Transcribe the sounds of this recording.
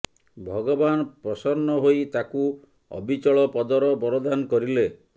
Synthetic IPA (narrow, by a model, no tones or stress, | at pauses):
bʱɔɡɔbanpɾɔsɔɾnɔɦojt̪aku | ɔ̰bʱit͡ʃɔɭɔpɔd̪ɔɾɔbɔɾɔd̪ankɔɾile